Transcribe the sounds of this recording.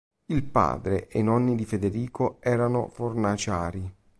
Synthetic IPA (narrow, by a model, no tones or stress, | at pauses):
ilpa̰ːd̪ɾeʔeinɔnːid̪ifed̪eɾiːkoɛːɾano̰fornat͡ʃaːɾi